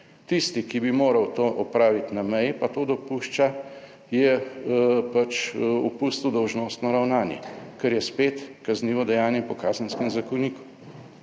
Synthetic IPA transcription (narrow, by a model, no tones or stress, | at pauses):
t̪ist̪ikibimoːɾɐwt̪oːʔɔpɾaːʋit̪namɛjipat̪oːd̪ɔpuʃt͡ʃa | jɛ | pat͡ʃupust̪uwd̪ɔwʒnoːst̪nɔɾawnaːnjɛ̰kɛɾjɛspeːt̪kazniːʋɔd̪ɛjaːnjɛpɔkaːzənskɛmzakɔniːku̥